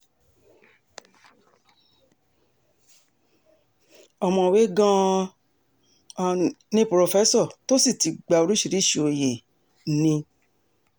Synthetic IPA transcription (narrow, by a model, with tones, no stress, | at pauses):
ɔ˧˨mɔ̃˧˨we˨˦ɡã˦˧ | nĩ˦pɾo˧fɛ˦sɔ˦˨to˦si˦˨ti˨˧ɡ͡ba˧o˧ɾi˦ʃi˨ɾi˦ʃo˨je˨˦ | nĩ˧